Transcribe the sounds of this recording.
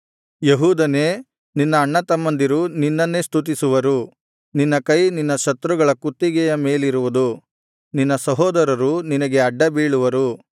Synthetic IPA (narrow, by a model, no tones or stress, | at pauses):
jeɦuːd̪ɐne̞ː | ninːɐːɳːɐt̪ɐmːɐnd̪iɾuninːɐnːe̞ːst̪ʰut̪̬isuʋɐɾu | ninːɐkɐjninːɐʃɐt̪ɾuɡɐɭɐkut̪ːiɡɛjɐme̞ːliɾuʋud̪u | ninːɐsɐɦɔːd̪ɐɾɐɾuninɐɡe̞ɐɖːɐbiːɭuʋɐɾu